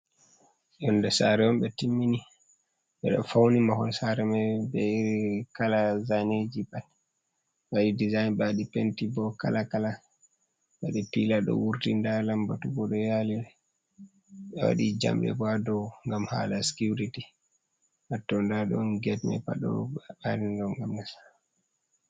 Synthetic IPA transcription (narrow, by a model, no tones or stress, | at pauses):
ʔɔndɛsaɾɛɔmbɛtimːini | ɓɛɗɔfawnimahɔnsaɾɛmɛbɛikalazaned͡ʒibal | waɗidizajnbaɗipentibɔka̰lakala | ɓaɗipilaɗɔ̰wuɾtindalambatubɔɗɔjalɛɛ | ɓɛwa̰ɗid͡ʒa̰mbɛ̰badɔŋɡamha̰laskuɾiti | ʔatːɔndaɗɔnɡɛtmɛ̰pa̰ɗɔ̰aɾindɔŋɡamnasḁ